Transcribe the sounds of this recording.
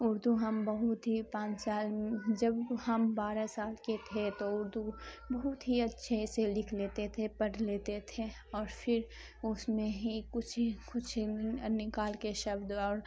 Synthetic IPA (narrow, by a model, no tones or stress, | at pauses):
ʊɾd̪uɦɐmbəɦʊt̪ɦipãːt͡ʃsaːld͡ʒɐbhɐmbaːɾasaːlket̪ʰet̪oʊɾd̪ubɐɦʊt̪ɦiɐtːʃʰeselɪkʰleːt̪et̪ʰepɐɽleːt̪et̪ʰẽ | ɔːɾfʰɪɾ | ʊsmẽɦikʊt͡ʃʰkʊt͡ʃʰnɪkaːlkeʃɐbd̪ɔːɾ